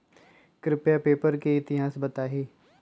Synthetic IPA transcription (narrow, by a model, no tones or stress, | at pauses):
kɾɪpjapeːpəɾkeɪt̪ɪɦaːsbɐt̪aːɦeː